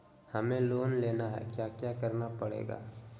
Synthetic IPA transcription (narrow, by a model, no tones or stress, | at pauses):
hɐmẽloːnleːnaɦɛ̰kjaːkjakəɾnapɐɽḛːɡa̰ː